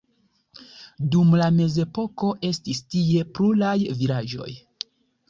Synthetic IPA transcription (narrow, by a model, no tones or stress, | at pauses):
dumlame̞ze̞po̞ko̞ʔe̞stistie̞pɾulajvilad͡ʒo̞̰j